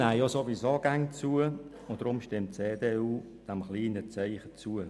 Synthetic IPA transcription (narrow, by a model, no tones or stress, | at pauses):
ajosovisoɡ̥aŋt͡suə | ʊnd̥ɾʊmʃtɪmtt͡seːdeːuː | d̥ɛmχliːnət͡sæɪχət͡suə